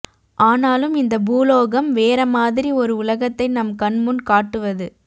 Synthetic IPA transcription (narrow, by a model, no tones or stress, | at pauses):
ʔaːnaːlɯmɪnd̪ɐbuːloːɣɐmʋeːɾɐmaːðɪɾiɔɾɯʊlɐɣɐt̪ːɐɪnɐmkɐɳmɯnkaːʈːɯʋɐðɯ